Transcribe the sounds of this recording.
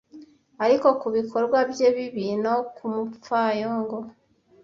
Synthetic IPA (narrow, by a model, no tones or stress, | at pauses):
aɾiko̞kuβikʰo̞ɾɡwabje̞βiβiːnokʰumufajoŋɡo